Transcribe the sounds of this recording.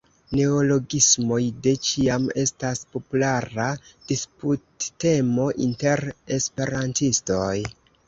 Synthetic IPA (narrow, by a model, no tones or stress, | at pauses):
ne̞olo̞ɡismo̞jde̞t͡ʃiame̞staspo̞pulaɾad̥isputːe̞mo̞ʔḭnte̞ɾe̞spe̞ɾantisto̞j